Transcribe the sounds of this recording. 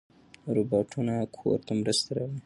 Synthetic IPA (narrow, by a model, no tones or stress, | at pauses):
ɾubɑʈʰunakʰo̰ɾt̪amɾəst̪eɾawi